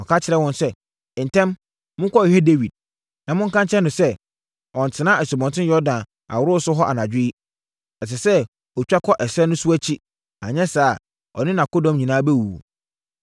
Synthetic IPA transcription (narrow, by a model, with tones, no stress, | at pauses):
ɔ˨kʰa˦t͡ɕʰɪ˨ɾɛ˦wɔ̃˦nsɛ̃˦˨ | n̩˨tʰɛ̃˦m | mʊ̃˦ŋkʰɔ˦ɪ˨hɛ˦de˦wi˨d̚ | nã˨mʊ̃˦ŋ˦kã˦ɲt͡ɕʰɛ̃˦nʊ̃˨sɛ˦ | ɔ̃˨n˨tʰɪ˨˦nã˦ɛ˨sɔ˨bɔ̃˨ntʰɪ̃˦jɔ˦dã˨n | a̰˨wʊ˦ɾʊ˦sʊ˦ɦɔ˦ʔa̰˨nã˨d͡ʑᶣɪ˦i˦ | ɛ˨s̬ɛ˨sɛ˦ | ɔ˨t͡ɕᶣa˦kʰɔ˦ʔɛ˨sɛ˦nʊ̃˦su˦æ˦t͡ɕʰi˦ | a̰˨ɲɛ̃˦saː˨ | ɔ̰˨nɪ̃˦nã˨ko˦dɔ̃˨mɲĩ˨nãː˦bɛ˦wuː˨